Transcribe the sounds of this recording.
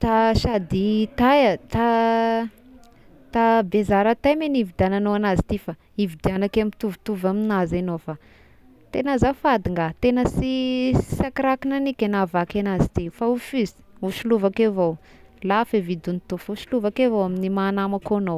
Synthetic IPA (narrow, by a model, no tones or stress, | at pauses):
t̪aʃad̪it̪ajat̪a | t̪abezaɾat̪ajmenivid̪ananoanazi̥t̪ifa | ivid̪ianakamit̪uvit̪uvaminazanowfa | t̪enəzafad̪iŋɡat̪enəsii̥sakiɾakinanikʲenavakanazit̪ifaufyzi̥uʃiluvakevow | lafevid̪unit̪ufuʃiluvakevowaminimaːnamakono